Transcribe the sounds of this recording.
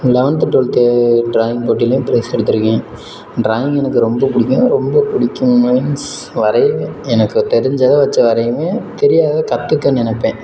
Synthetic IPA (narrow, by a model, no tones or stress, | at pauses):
lɛʋɐɳʈ̪ɐʈːoːlt̪eɖɾaːjɪŋɡ̚poːʈ̬ːilɐjʊ̃pɪɾɐɪsɛɽɯt̪̬ːɯɾɯkːẽː | ɖɾaːjɪŋɡɛnɐkːɯɾɔmbɐpʊɽɪkʲːʊ̃ɾɔmbɐpʊɽɪkʲːɯmɐɪns | ʋɐɾɐɪʋẽɛnɐkːɯt̪ɛɾɪɲd͡ʒɐðɐʋɐt͡ʃːɐʋɐɾɐjmeːt̪ɛɾɪjaːɣɐkɐt̪ːɯkːɐnɪnɐpːẽː